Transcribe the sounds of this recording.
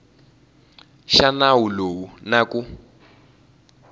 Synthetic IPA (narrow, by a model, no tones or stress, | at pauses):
ʃanawulounaku